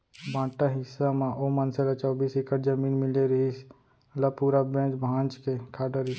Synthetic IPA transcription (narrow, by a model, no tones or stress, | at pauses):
bʱãːʈaɦɪsːamãʔomənselat͡ʃɔːbiːsɪkəɾd͡ʒəmiːnmɪleɾəɦis | lapuːɾabẽːt͡ʃbʱãːnt͡ʃkekʰaːɖəɾɪ